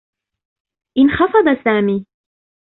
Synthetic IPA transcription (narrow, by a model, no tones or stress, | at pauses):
ʔɪnxɑfɑd̪ˤɑsaːmiː